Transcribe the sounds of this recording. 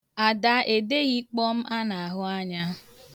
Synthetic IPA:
a˨da˨˦ʔe˨de˦ɣi˦k͡pɔ˦m̩˦ʔa˦na˨a˨ɦʊ˦a˦ɲa˦

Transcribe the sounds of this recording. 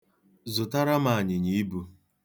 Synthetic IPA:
zʊ˨ta˦ɾa˦ma˨a˨ɲɪ˨ɲi˨i˦bu˨

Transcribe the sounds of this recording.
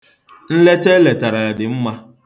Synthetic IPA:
n̩˦le˦te˦le˨ta˨ɾa˨a˨dɪ˨m̩˦ma˦

